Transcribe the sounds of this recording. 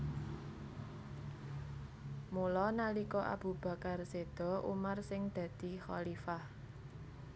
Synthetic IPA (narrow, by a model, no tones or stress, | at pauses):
mulɔnalikɔʔa̰b̥ṳb̥ä̤karsed̪̥ɔ̤ʔṵmarsɪŋd̪̥ä̤d̪̥i̤xɔ̰lifah